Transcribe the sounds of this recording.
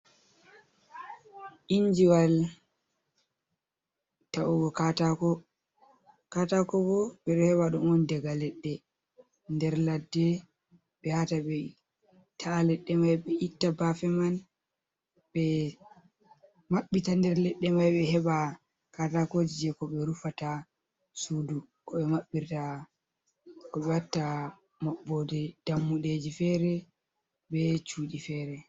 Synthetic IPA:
ʔiɲd͡ʒiwal | taʔuɡɔkatakɔ | katakɔbɔɓɛɗɔhɛɓaɗumɔndɛɡalɛɗːɛ | ndɛɾladːɛ | ɓɛhataɓɛ | tʰaːlɛɗːɛmajɓɛitːabafɛman | bɛ | maɓːitandɛɾlɛɗːɛmajɓɛhɛɓa | katakod͡ʒid͡ʒɛkɔɓɛɾufata | suːdu | kɔɓɛmaɓːiɾta | kɔɓɛatːa | maɓːɔdɛd̥amːuɗed͡ʒifɛɾɛ | bɛt͡ʃuːɗifɛːɾɛ

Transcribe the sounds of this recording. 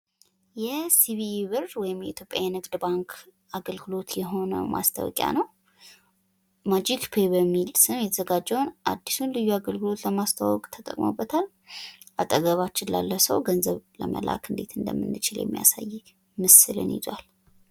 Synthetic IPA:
jɛsiβiβɨɾwɔjɪmjɛit̪ʰjo̞pʼːjajnɨɡd̪baŋkʰ | aɡəlɡɨlo̞t̪jɛɦo̞nə̰mʔa̰st̪ʰə̰wɔ̰kʼja̰nəw | mad͡ʒikpʰebəmːilsɨnjɛt̪ʰəzəɡad͡ʒːɛwnʔad̪ːisunlɨjːuaɡəlɡɨlo̞t̪ləmast̪ʰawɔkʼt̪ʰət̪ʼə̰kʼmo̰bːət̪ʰal | ʔat̪ʼːəɡəβat͡ʃːɪnla̰lːəsəwɡənzəβlə̰mə̰lʔa̰kʰɨnd̪e̞t̪ʰɨnd̪ə̰mːɨnːɨt͡ʃɪljɛ̰mːija̰saj | mɨsɨlɨ̰njɪzwal

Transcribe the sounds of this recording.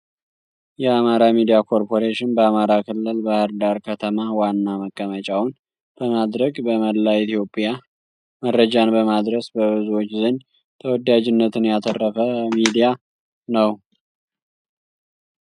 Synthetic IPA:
jɛamaɾamid̪ijakʰo̞ɾpʰo̞ɾeʃɪnbəamaɾakʰɨlːɨlbahɨɾd̪aɾkʰət̪ʰəmawanːaməkʼːəmət͡ʃʼawʊn | b̥əmad̪ɾəɡbəməlːait̪ʰijo̞pʼja | məɾːəd͡ʒanbəmad̪ɾəsbəβɨzuwo̞t͡ʃːzɨnd͡ʒ | t̪ʰəwɔd̪ad͡ʒɪnːət̪ʰɨnjat̪ʰərːəfəmid̪ija | nəw

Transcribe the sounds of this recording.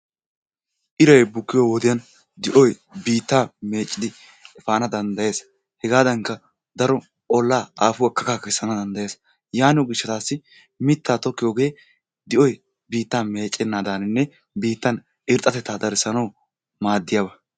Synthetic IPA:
ʔɪɾɐjbʊkːɪjoːwɔd̪ɪjɐn | d̪ɪʔɔj | biːt̪ːaːme̞ːt͡ʃʼːɪd̪ɪ | ɛfaːnɐd̪ɐnd̪ɐje̞ːs | hɛɡaːd̪ɐŋkːɐ | d̪ɐɾɔ | ʔɔlːaːaːfʊwɐkːɐkaːkɛsːɐnɐd̪ɐnd̪ɐjeːs | jaːnɪjoɡɪʃːɛt̪aːsːɪ | mɪt̪ːaːt̪ɔkːɪjoːɡe̞ː | d̪ɪʔɔj | biːt̪ːaːme̞ːt͡ʃʼːɛnːaːd̪aːnɪnːɛ | biːt̪ːɐn | ɪɾt̪ʼːɐt̪ɛt̪ːaːd̪ɐɾɪsɐnɐw | maːd̪ːɪjɐbɐ

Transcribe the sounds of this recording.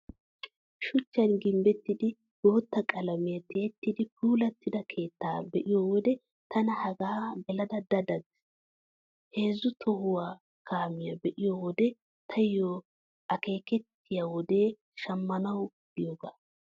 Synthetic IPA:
ʃʊt͡ʃːɐnɡɪmbɛt̪ːɪd̪ɪ | ɡ̥o̞ːt̪ːɐkʼɐlɐmɪjɐt̪ɛːɛt̪ːɪd̪ɪpuːlɐt̪ːɪd̪ɐkʰe̞ːt̪ːa̰ːbɛʔɪjoːwɔd̪ɛ | t̪ʰɐnɐhɐɡaːɡɛlɐd̪ɐd̪ɐd̪ɐd̪ɪ̥ | he̞ːzːʊt̪ʰɔhʊwaː | kʰaːmɪjɐbɛʔɪjowɔd̪ɛ | t̪ʰɐjjo | ʔɐke̞ːkɛt̪ːɪjɐwɔd̪e̞ː | ʃɐmːɐnɐw | ɪjoːɡaː

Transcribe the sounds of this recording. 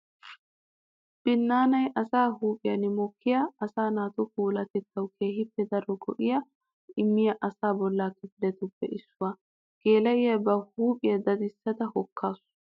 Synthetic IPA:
b̥ɪnːaːnɐjʔɐsaːɦuːpʼɪjɐnɪmɔkːɪjaɐsaːnaːt̪ʊkuːlɐt̪ɛt̪ːɐwkʰeːhɪpːɛd̪ɐɾɔɡɔʔɪjɐ | ɪmːɪjɐʔɐsaːbɔlːaːkɪflɛt̪ʊpːɛ̰ʔɪsːʊwa | ɡ̥eːlɐʔɪjɐbɐhuːpʼɪjɐd̪ɐd̪ɪsːɐt̪ɐhɔkʰːaːsʊ̥

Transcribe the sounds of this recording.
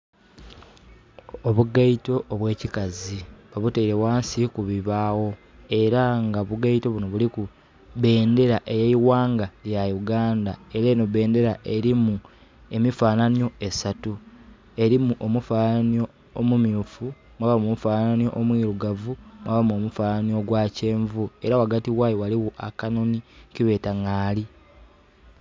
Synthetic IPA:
oβuɡaito̞ʔːβwe̞ːcikaziβaβuteiɾeβwaːnsikuβiβaːwo̞ | e̞ɾaŋɡaβuɡaito̞βuno̞βuliku | βe̞ːnde̞ɾaʔejeiwaːŋɡaljajuɡaːndae̞ɾenoβe̞ːnde̞ɾaʔe̞ɾimu | e̞mifaːnanjo̞e̞satu | e̞ɾimuʔomufaːnanio̞ː | mumjufu | mwaβamomufaːnanjo̞̰ʔomwiːɾuɡavumwaβamo̞mufaːnanio̞ɡwaːce̞ːɱvue̞ɾawaɡatiɣwaːjowaliwoʔakano̞niciβe̞ːtaŋaːli

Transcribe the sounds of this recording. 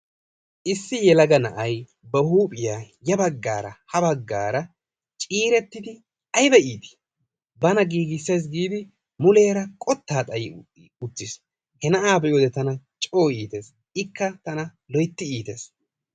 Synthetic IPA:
ʔɪsːɪjɛlɐɡɐnɐʔɐj | bɛhuːpʼɪjaː | jɐbɐɡːaːɾɐ̰hɐbɐɡːa̰ːɾɐ | t͡ʃʼiːɾɛt̪ːɪd̪ɪ | ɐjbɛʔiːt̪ɪ̥ | bɐnɐɡiːɡɪsːeːs̬ɡiːd̪ɪ | mʊle̞ːɾɐkʼɔt̪ːaːt̪ʼɐjɪ | ʊt̪ːɪs | hɛnɐʔaːbɛjoːd̪ɛt̪ɐnɐt͡ʃʼo̞ːiːt̪e̞ːs | ɪkːɐt̪ɐnɐ | lɔjt̪ːɪiːt̪eːs

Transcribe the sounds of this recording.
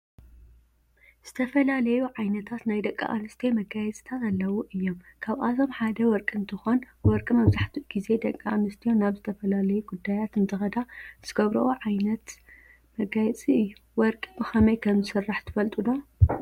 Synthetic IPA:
z̥ɨt̪ʰɐfɐlalɐjuʕajnɐt̪ʰat̪najd̪ɐkʼːa̰ʔa̰nɨst̪ʰemɐɡajɛt͡sʼt̪ʰat̪alːɐwuʔɨjːomkʰaβʔat̪ʰo̞mħad̪ɐwɔɾkʼɨnt̪ʰɨxo̞n | wɔɾkʼimɐβzaħt̪ʰuʔɡ̥ize̞d̪ɐkʼːaanɨst̪ʰijo̞naβzɨt̪ʰɐfɐlalɐjuɡud̪ːajat̪ɨnt̪ʰɨxɐd̪az̥ɨɡɐβɾɐʔoʕajnɐt̪ | mɐɡajɛt͡sʼiɨjːuwɔɾkʼibɨxɐmɐjkʰɐmzɨsɨrːaħt̪ʰɨfɐlt̪ʼulo̞

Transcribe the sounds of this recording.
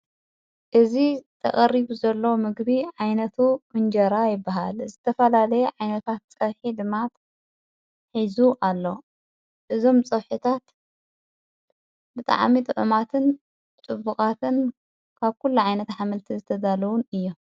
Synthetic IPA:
ʔɨzit̪ʰɐ̰kʼɐɾiβuzɐlːowmɨɡbiʕajnɐt̪ʰumɨnd͡ʒɐɾajɪbːaɦa̰lzɨt̪ʰɐfɐlalɐjɛʕajnɐt̪ʰat̪̚t͡sʼɐβħid̪ɨmat̪ | ħizuʔalːo̞ | ʔɨzo̞mt͡sʼɐβħɨt̪ʰat̪ | bɨt̪ʼa̰ʕmit̪ʼɨʕɨmat̪ʰɨn | t͡sʼɨbukʼat̪ʰɨn | kʰaβkʰulːuʕajnɐt̪ħamɨlt̪ʰizɨt̪ʰɐd̪alɐwunɨjːo

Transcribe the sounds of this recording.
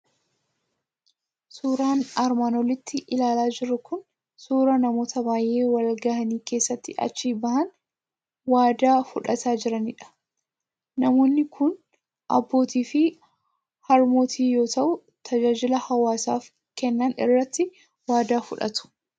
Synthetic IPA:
suːɾaːnɐɾmaːnɔlɪt̪ːɪʔɪlaːlaːd͡ʒɪɾːʊkʊn | suːɾɐnɐmo̞ːt̪ʰɐbaːjʔe̞ːwɐlɡɐhɐniːke̞ːsːɐt̪ːɪʔɐ̰t͡ʃːiːbɐhɐn | waːd̪aːfʊᶑɐt̪ʰaːd͡ʒɪɾɐnɪᶑɐ̥ː | ɐmo̞ːnːɪkʰʊn | ʔɐ̰bːo̞ːt̪iːfɪ | hɐɾmo̞ːt̪ʰiːjo̞ːt̪ɐʔʊ | t̪ʰɐd͡ʒaːd͡ʒɪlɐhɐwaːsa̰ːf | kɛnːɐnɪ̰rːɐt̪ːɪ | waːd̪aːfʊᶑɐ̰t̪ʊ̥

